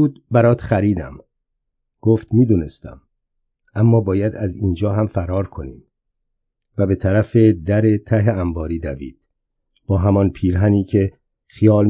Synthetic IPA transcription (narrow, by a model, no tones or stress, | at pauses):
uːd̪bæɾɒːt̪χæɾiːd̪æ̰m | ɡ̥oːft̪miːd̪uːne̞st̪æ̰m | ʔæmːɒːbɒːjæd̪æziːnd͡ʒɒːɦæmfæɾɒːɾkʰo̞niːm | væbe̞t̪ʰæɾæfe̞d̪æɾe̞t̪ʰæɦeæmbɒːɾiːd̪ævḭːd̪̥̚ | b̥ɒːɦæmɒnpʰiːɾɦæniːcʰe̞ | xijɒːl